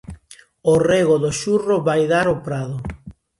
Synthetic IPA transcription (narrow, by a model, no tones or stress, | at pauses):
oreɣoðoʃuroβajðaɾopɾaðo